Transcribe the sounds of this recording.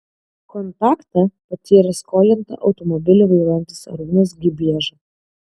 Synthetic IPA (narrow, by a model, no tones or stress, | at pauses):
kɔnt̪ɑːkt̪ɐpɐt̪ʲiːɾɐskoːlʲɪnt̪ɐ̰ʔɒʊt̪ɔmɔbʲɪlʲuʋɐɪɾːɛnʲt̪ʲɪsɐ̰ɾuːnɐs̬ɡʲɪbʲiɛʒɐ